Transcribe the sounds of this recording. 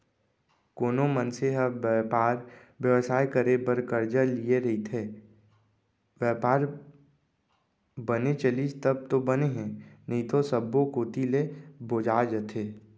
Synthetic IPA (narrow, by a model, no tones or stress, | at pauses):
koːnomənseɦəʋjəpaːɾ | ʋjəʋsaːekəɾebəɾkəɾd͡ʒəlieɾɐɦit̪ʰeː | ʋjəːpaːɾ | bənet͡ʃəlid͡ʒt̪əb̚t̪obəneɦɛ̃nəĩt̪osəbːokoːt̪ileboːd͡ʒaːd͡ʒət̪ʰeː